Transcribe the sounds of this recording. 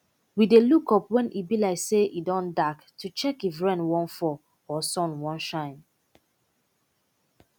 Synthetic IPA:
widelukɔpwɛ̃nʔibilaɪseʔidɔ̃ndaktʰut͡ʃɛkivɹɛ̃nwɔ̃nfɔ | ɔsɔ̃nwɔ̃nʃãɪ̃n

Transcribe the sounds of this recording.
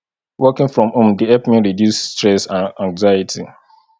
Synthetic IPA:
wɜkɪ̃ŋfɹɔ̃mũmdiɛpmĩɹidjussːtɹɛsãnãŋɡzajɪtʰi

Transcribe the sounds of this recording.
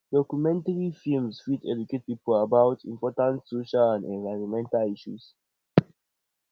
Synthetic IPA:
d̥ɔkjumɛ̃ntaɹifilmsfitɛ̰d͡ʒuket̚pipəlabawtʰḭ̃mpɔtãntsoʃalãndɛ̃nvajɹɔ̃nmɛ̃ntaliʃṵs

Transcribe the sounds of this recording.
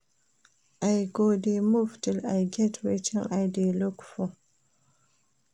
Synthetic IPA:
ʔajɡodemuftɪlajɡɛtʰwet͡ʃɛ̃ŋʔajdelukfo

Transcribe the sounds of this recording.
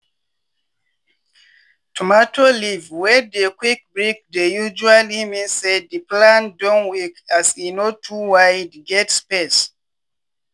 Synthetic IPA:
tʰɔmatʰolivwɛdekwik̚bɹik̚dejud͡ʒualimĩnsɛddəplãndɔ̃nwikasinotʰuwajdɡɛtspes

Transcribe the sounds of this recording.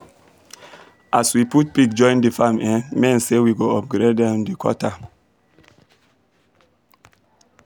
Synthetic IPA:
ʔaswiput̚pikd͡ʒɔ̃ɪ̃ndifamɛ̃mɛ̃nsewiɡoɔp̚ɡɾedɛmdikʰɔ̰ta

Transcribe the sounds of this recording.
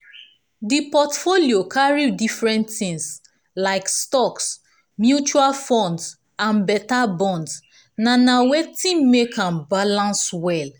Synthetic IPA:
dipɔtfoliokʰaɹidifɹɛ̃ntθĩŋs | laɪkstɔks | mjut͡ʃualfɔ̃nds | ãnbɛtabɔ̃nds | nanawetĩmːekʰãmbalãnswɛl

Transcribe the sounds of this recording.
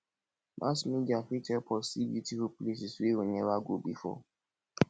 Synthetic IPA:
mʔã̰smĩd͡ʒafitɛpʰɔsibilitifuplesisiwoɲɛ̃waɡobḭfɔ̰

